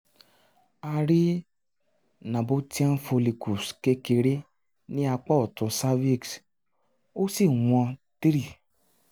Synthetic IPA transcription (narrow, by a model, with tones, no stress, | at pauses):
a˧ɾi˦ | nã˨bo˧˦ti˦ã˦n̩˦fo˧li˨ku˨ske˦ke˧ɾe˦ | nĩ˦a˧k͡pɔ˦ɔ˨tũ˧sa˦vi˦˨ks | o˦si˦˨w̃ɔ̃˧ti˦ɾi˦˨